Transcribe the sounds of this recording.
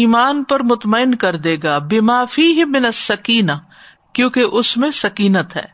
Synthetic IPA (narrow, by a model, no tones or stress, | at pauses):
iːmaːnpɐɾmʊt̪mɐɪnkɐɾd̪eːɡaːbɪmaːfiːɦɪmɪnɐsːɐkiːna | kjõːkeʔʊsmẽsɐkiːnət̪ɦɛ̰ː